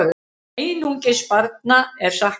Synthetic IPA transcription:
ejnuŋcɪspaɾt̪̚naɛɾ̥sah

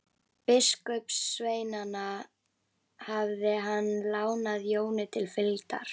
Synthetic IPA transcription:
pɪskʏpsːveːjnana | havðɪɦanːlaːwnaðjoːwnɪt̪ʰɪlfɪlt̪a̰ɾ̥

